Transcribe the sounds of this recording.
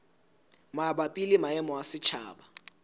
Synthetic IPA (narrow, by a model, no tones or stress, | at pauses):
maɓapʼilimaɛmɔwasɪt͡ʃʰaːɓa